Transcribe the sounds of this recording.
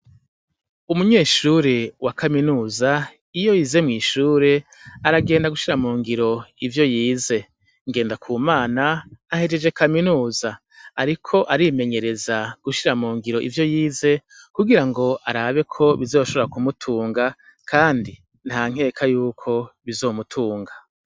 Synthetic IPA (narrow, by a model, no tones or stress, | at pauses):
umuɲe̞ːʃuɾewakaminuːza | ijo̞jiːze̞mŋiːʃuːɾe̞ | aɾaɡe̞ːndaɡuʃiɾamuːŋɡiɾo̞ivjo̞jiːze̞ | ŋɡe̞ːndakʰuːmaːnaahe̞d͡ʒe̞d͡ʒe̞kaminuːzaː | ɾikʰo̞ʔaɾime̞ɲe̞ɾe̞zaɡ̥uʃiɾamuːŋɡiɾo̞ʔḭvjo̞jiːze̞ | kuɡiɾaŋɡo̞ʔaɾaːβe̞kʰo̞βizo̞ːʃo̞βo̞ɾakumutʰuːŋɡa | kʰaːndi | n̥haːŋ̥e̞ːkʰajuːkʰo̞βizo̞ːmutʰuːŋɡḁ